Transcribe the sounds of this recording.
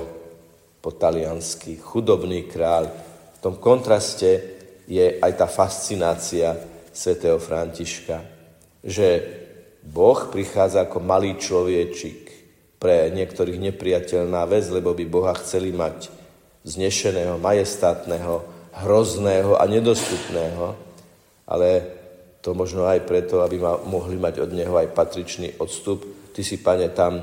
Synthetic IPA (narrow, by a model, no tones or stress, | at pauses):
pɔt̪alɪanskixud̪ɔbniːkɾaːʎft̪ɔmkɔnt̪ɾascɛjɛʔajt̪aːfast͡sinaːt͡siasʋɛt̪ɛːɦɔfɾaɲciʃka | ʒɛ | bɔxpɾixaːd͡zaːkɔmaliːt͡ʃlɔʋɪɛt͡ʃik | pɾɛɲɪɛkt̪ɔɾiːɣɲɛpɾijacɛʎnaːʋɛd͡zlɛbɔbibɔɦaxt͡sɛlimac | zɲɛʃɛnɛːɦɔmajɛst̪at̪nɛɦɔɦɾɔznɛːɦɔʔa̰ɲɛd̪ɔst̪upnɛːɦɔ | ʔa̰lɛ | t̪ɔmɔʒnɔajpɾɛt̪ɔabimamɔɦlimaɟɔd̪ɲɛɦɔajpat̪ɾit͡ʃnḭːʔɔt̪st̪upt̪isipaɲɛt̪am